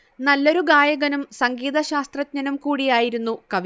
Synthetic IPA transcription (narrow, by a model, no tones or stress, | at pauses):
nɐlːo̞ɾuɡaːjɐɣɐnumsɐŋɡiːðɐɕaːst̪rɐt̚ɲɐnumkuːɽijaːjiɾunːukɐʋ